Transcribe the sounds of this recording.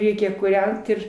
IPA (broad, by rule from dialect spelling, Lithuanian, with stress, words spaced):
ˈrʲɛɪkʲɛ kuːˈrʲɛnt ɪr